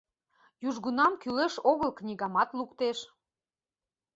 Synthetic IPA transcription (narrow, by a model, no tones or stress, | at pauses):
juʒɣunɑmkyleʃoɣəlknʲiɣɑmɑt̪lukt̪eʃ